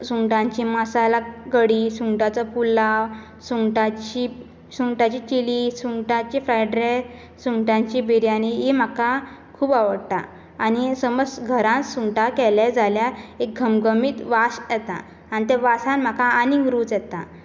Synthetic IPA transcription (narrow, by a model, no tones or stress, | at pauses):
suŋʈãɲt͡ɕimasalaɡəɽiːsuŋʈat͡sapulaw | suŋʈat͡ɕi | suŋʈat͡ɕit͡ɕiliːsuŋʈãt͡ɕifɾajɖɾe | suŋʈãɲt͡ɕibʱiɾianiɦim̤aka | kʰuːbaʋəɽt̪a̰ː | ñisəməsɡʱəɾãnsuŋʈakɛlɛd͡zaljaek̚ɡʱəmɡʱəmiːt̪ʋasjɛt̪a̰ | anit̪ɛʋasãnm̤akaaniɡɾuːt͡sjɛt̪a